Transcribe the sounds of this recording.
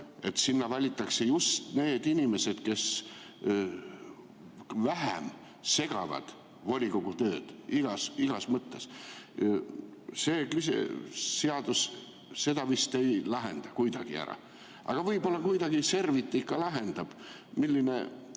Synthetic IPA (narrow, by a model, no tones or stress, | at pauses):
e̞t̪sinːɑvɑlʲit̪ːˑɑkse̞just̪ne̞ːd̪̥inʲime̞se̞d̪̥ke̞s | væɦḛm | se̞ɡ̥ɑ̰vɑ̰d̪̥ | volʲikoɡ̥ut̪ø̞ːd̪̥iɡ̥ɑsiɡ̥ɑsmɤt̪ːe̞s | se̞ːklisḛːeɑd̪̥us | se̞d̪ɑvist̪e̞jlɑɦe̞̰nd̪̥ɑkujd̪̥ɑɡ̥iæ̰ɾɑ̰ | ɑ̰ɡ̥ɑvɤjbo̞lːɑkujd̪ɑɡ̥ise̞rvit̪ːˑikːɑlɑɦe̞nd̪̥ɑb̥ | milʲːinḛ